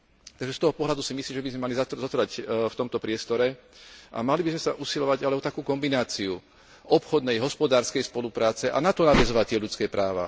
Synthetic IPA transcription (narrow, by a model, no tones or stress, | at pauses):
t̪aɡʒɛst̪ɔɦɔpɔɦlad̪usimisliːmʒɛbizmɛmalizat̪zɔt̪ɾacft̪ɔmt̪ɔpɾɪɛst̪ɔɾɛʔa̰malibizmɛsaʔusilɔʋaɟalɛɔt̪akuːkɔmbinaːt͡siu | ɔpxɔd̪nɛjɦɔspɔd̪aːɾskɛjspɔlupɾaːt͡sɛʔa̰nat̪ɔnaʋɛzɔʋac̚t̪ɪɛʎut͡skɛːpɾaːʋa̰